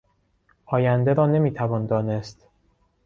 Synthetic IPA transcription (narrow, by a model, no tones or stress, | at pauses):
ʔɒːjænd̪eɾɒːne̞miːt̪ʰævɒːnd̪ɒːnest̪